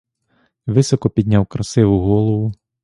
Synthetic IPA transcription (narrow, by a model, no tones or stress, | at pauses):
ʋɪsɔkɔpʲid̪ʲnʲawkɾɐsɪʋʊɦɔlˠɔʋʊ